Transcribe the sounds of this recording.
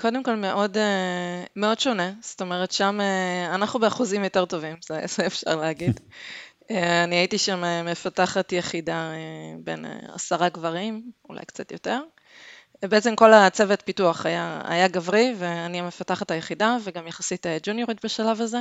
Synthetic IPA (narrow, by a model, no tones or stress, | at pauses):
kʰo̞d̪emko̞lme̞ʔo̞demeo̞dʃo̞ne̞sto̞me̞ʁ̞etʃameanaχnubeaχuzimjo̞te̞ʁto̞vimz̥ez̥eːfʃa̰ʁleaɡid | eaniaitiʃameme̞fataχatjeχidaebḛnḛa̰saʁaɡvaʁimula̰jkt͡sat̪jo̞te̞ʁ | beet͡se̞mko̞lat͡se̞vetpituaχajaa̰jaɡavʁiveaniamefataχatajeχidaveɡamjaχasited͡ʒunjoʁitbeʃalavaze